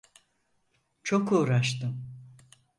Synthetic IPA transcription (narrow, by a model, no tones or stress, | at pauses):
t͡ʃʰo̞kuːɾaʃt̪ɯm